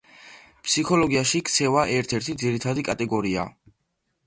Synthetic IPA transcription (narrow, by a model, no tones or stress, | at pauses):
pʰsikʰɔlɔɡiaʃikʰt̪sʰɛvaʔɛɾt̪ʰɛɾt̪ʰid̪ziɾit̪ʰad̪ikʼat̪ʼɛɡɔɾia̰